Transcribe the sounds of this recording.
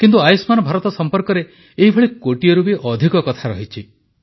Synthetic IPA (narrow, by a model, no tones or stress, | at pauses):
kint̪uajsmanɔbʱaɾɔt̪ɔsɔmpɔɾkɔɾe | eɦibʱɔɭikoʈijɔɾubiʔɔd̪ʱikɔkɔt̪ʰaɾɔɦit͡ʃʰi